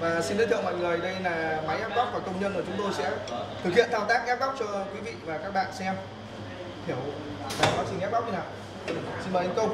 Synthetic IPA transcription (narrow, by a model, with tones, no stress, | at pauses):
vaː˨˩si˧ni˧˦t̪ʰɨ̰˧˨ma̰˧˨ŋləː˨˩jɗə˧jlaː˨˩ma˨˦jʔɛ˦˥p̚ɣɔ˦˥k͡p̚vaː˨˩kə˧wŋ͡mɲə˧nʔɨə˧˩t͡ɕʊ˨˦ŋ͡mt̪o˧jsɛ̰˧˥t̪ʰɨ˨˩k̚hḭ˧˨ənt̪ʰaː˧wt̪aː˦˥k̚ʔɛ˦˥p̚ɣɔ˦˥k͡p̚t͡ɕɔ˧kwi˨˦vḭ˧˨vaː˨˩kaː˦˥k̚ɓa̰ː˧˨nsɛ˧m | t̪ʰi˧˩əw | taː˨˩ɓaː˦˥p̚si˧˩ŋʔɛ˦˥p̚p̚ɲi˧naː˨˩w | si˧nɓəː˨˩ʔa˨˦ŋ̟kə˧wŋ͡m